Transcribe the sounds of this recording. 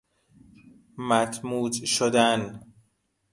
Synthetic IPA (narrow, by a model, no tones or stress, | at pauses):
mæt̪ʰmuːd͡ʒʃod̪æn